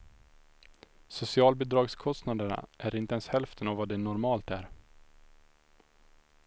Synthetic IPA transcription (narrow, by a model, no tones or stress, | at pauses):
sʊsɪɑːlbɪd̪ɾɑːɡskʰɔst̪nad̪əɳa̰ʔæɾɪnt̪əɛnshɛlft̪ʰənavad̪ɛnɔɾmɑːlt̪æɾ